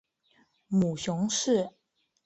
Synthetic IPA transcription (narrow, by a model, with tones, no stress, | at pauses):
mu˨˩ɕʊ˧˥ŋʂɻ̩˥˩